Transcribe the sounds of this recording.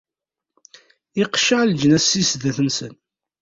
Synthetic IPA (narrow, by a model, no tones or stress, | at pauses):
ɪqʃəʕld͡ʒnæsːisðæθənsə̰n